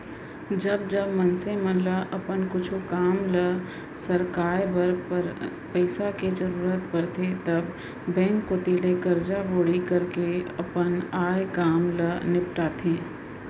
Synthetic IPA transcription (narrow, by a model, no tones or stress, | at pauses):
d͡ʒɐbd͡ʒɐbmɐnsẽmə̃ləʔɐpənkʊt͡ʃʰukaːmlə | sɐɾkaːɾbɐɾpəɾ | pəɪsaked͡ʒɐɾuːɾət̪̚pɐɾt̪ʰet̪ɐbː | ɛ̃ːŋkːot̪iːlekɐɾd͡ʒaboːɽikɐɾkeɐpənaːjkaːmlənɪp̚ʈaːt̪ʰẽː